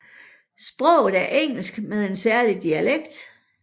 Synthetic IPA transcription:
sb̥ʁɔʊ̰ð̞̩ˠæɐʔeŋ̰l̩sɡ̥með̞ˠe̝nsæɐlid̥iæleɡ̥̚d̥

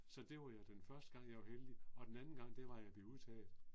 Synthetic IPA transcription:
sɒ̽d̥e̝ʋɑjad̥enfɶɐsd̥əɡ̥ɑ̈ŋ̰jɑʋaheld̥iɒ̽d̥enænn̩ɡ̥ɑ̈ŋ̰d̥e̝ʋɑ̈jɑ̈b̥le̝uðˠt͡sʰɛ̰ːl̩ˠ

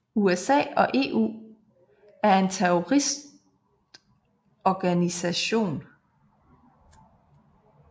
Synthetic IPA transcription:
uesɛ̰ːɒ̽ʔe̝̰ːʔṵː | æɐe̝nt͡sʰeɔʁisd̥ | ɒɡ̥ænisæɕo̝̰ːn

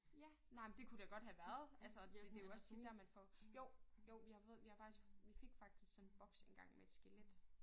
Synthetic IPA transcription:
jæ | nɑ̈ɪmnd̥e̝kʰud̥eɡ̥ɒ̽d̥ɦæʋæɐð̞̩ˠælsəd̥e̝joɒ̽st͡sʰid̥ːæɐ̰mænfɒjoʊ̰joʊʋihɑ̈fɔ̽ð̩ˠʋihɑ̈fɑ̈ɡ̥isɡ̥ʋife̝ɡ̥fɑ̈ɡ̥̚d̥isɡ̥sɔ̽nb̥ɒ̽ɡ̥senɡ̥ɑ̈ŋ̰meed̥sɡ̥eled̥

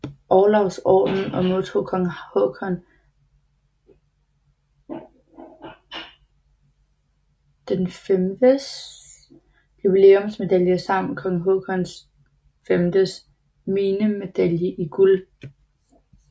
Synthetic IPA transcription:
ʔɒːlɒʊsɒ̰ːd̥n̩ɒ̽mo̝ðˠt͡sʰo̝̰ːkʰɒ̽ŋhokʰɒn | d̥enfemd̥əs | jub̥ile̝̰ːomsme̝d̥æljəsɑ̈m̰n̩kʰɒ̽ŋŋ̩ɦokʰɒns | femd̥əs | miːnəme̝d̥æljəʔiɡ̥ul

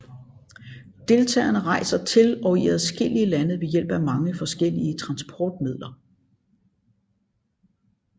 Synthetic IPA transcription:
d̥e̝lt͡sʰɛ̰ːɐnəʁɑ̈ɪsɐt͡sʰe̝lɒ̽iæðˠsɡ̥el̰iəlænəð̩ˠʋe̝jel̰b̥æmɑ̈ŋəfɒ̽sɡ̥el̰iət͡sʰʁɑ̈nsb̥ʰɒ̰ːd̥̚mið̞̰ˠlɐ

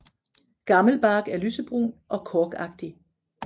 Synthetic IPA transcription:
ɡ̥ɑ̈ml̩b̥ɑ̈ːɡ̥æɐlysəb̥ʁuʔɒ̽kʰɒːɡ̥ɑ̈ɡ̥d̥i

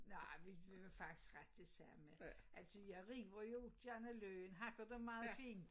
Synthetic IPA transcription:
nɑɪʋiʋiʋefɑ̈ɡ̥̚d̥i̥sɡ̥ʁad̥̚d̥esæmeʔæl̰sɔjɑɪʁḭːʋɐjod̥jænæløːənɦɑ̈ɡ̥ɐd̥emɑ̈ːð̩ˠfiːn̥

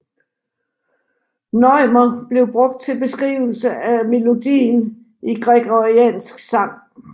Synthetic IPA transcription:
nɒɪmɐb̥le̝ʊb̥ʁɔ̽ɡ̥̚d̥̚t͡sʰe̝lb̥e̝sɡ̥ʁḭːʊl̩səʔæme̝lo̝d̥ḭːn | ʔiɡ̥ʁɛɡ̥ɒʁiɛ̰ːnsɡ̥sɑ̈ŋ̰

